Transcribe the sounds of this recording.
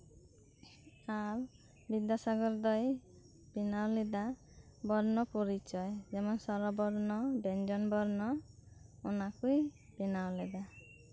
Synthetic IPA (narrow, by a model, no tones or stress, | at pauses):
aɾ | bid̪jasaɡɔɾd̪ɔj | binawlɛd̪a | bɔɾnɔpɔɾit͡ʃɔjd͡ʒɛmɔnsɔɾɔbɔɾnɔbɛnd͡ʒɔnbɔɾnɔ | ɔnakuj | binawlɛd̪a